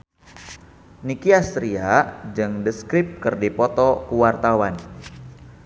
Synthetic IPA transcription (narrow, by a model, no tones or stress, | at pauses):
nikiast̪ɾiad͡ʒɨŋdəskɾip̚kɨrdipɔt̪ɔkuwart̪awan